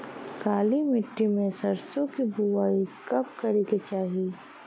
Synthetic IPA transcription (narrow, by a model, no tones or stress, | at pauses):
kaːlimɪʈːimẽsɐɾsõkibuwaːikɐp̚kɐɾeket͡ʃaːɦi